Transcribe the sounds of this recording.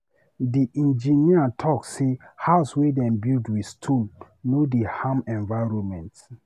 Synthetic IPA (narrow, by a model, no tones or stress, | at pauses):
diʔĩnd͡ʒiniatʰɔksehaʊswedɛ̃nbildwistʰũnː | odehãmɛ̃nvaɪɹɔ̃mɛ̃nt